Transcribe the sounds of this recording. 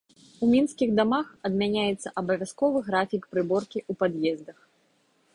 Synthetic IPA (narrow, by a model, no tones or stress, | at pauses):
umʲinskʲiɣd̪amaxɐd̪mʲanʲajɛt̪sːɐʔɐbɐvʲaskɔvɨɣɾafʲikpɾɨbɔrkʲiʔupad̪jɛzd̪ɐx